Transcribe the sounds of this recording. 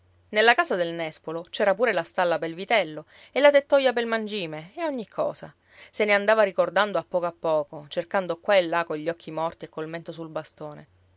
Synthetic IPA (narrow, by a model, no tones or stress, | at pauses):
nelːakaːsad̪elnɛspolot͡ʃɛːɾapuːɾelast̪alːapelvit̪ɛlːo | elːat̪et̪ːɔjapelmand͡ʒiːmeeɔɲːikʰːɔ̰ːsa̰ | seneand̪aːvaɾikord̪and̪oapːɔːkoapːɔːkot͡ʃerkand̪okwaelːakoʎːɔkʰːimɔrt̪iekːolment̪osulbast̪oːnḛ